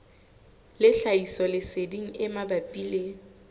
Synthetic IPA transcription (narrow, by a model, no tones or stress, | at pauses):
lɪɬaisɔlɪsediŋ̩ɪmabapʼiːle